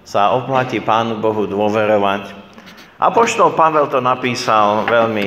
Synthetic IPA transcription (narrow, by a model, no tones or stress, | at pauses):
saɔplaciːpaːnubɔɦud̪ʊɔʋɛɾɔʋac | ʔa̰pɔʃt̪ɔlpaʋɛlt̪ɔnapiːsalʋɛʎmi